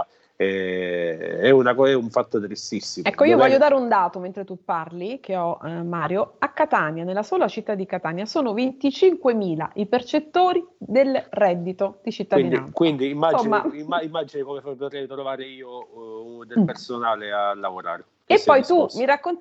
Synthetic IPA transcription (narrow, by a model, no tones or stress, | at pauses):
ɛ | ɛunakɔɛuɱfat̪ːot̪ɾist̪isːimɛkːoiːovvɔʎːjːod̪aːɾeund̪aːt̪oment̪ɾet̪upːarlik̟ʰeɔmaːɾjoakːat̪aːnjanelːasoːlat͡ʃit̪ːad̪ːikat̪aːnjasoːnovent̪it͡ʃiŋkwemiːla̰ʔipert͡ʃet̪ːoːɾid̪elrɛd̪ːit̪od̪̥it͡ʃit̪ːad̪iniaankwind̪iːmːad͡ʒmːa̰imːaimːad͡ʒinekomefpot̪ɾɛjt̪ɾovaːɾeiːo | d̪epersonaːlealːavoɾa̰ːɾe | epːɔjt̪umiɾakːont̪